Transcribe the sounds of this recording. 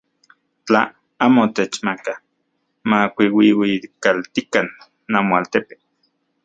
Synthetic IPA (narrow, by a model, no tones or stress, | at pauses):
t͡ɬa | aːmot̪et͡ʃmaka | makʷiwiwikalt̪ikanː | amoalt̪epe̥